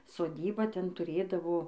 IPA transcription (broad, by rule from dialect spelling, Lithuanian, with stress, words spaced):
soːˈdʲiːbɐ ˈtʲɛn tʊˈrʲeːdɐʋoː